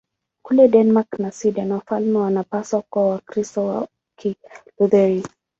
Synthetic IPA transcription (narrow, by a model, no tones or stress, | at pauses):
kulɛdɛnmaknasidanwafalmɛwanapaswakwawakɾistɔwa | kʰiluðɛɾi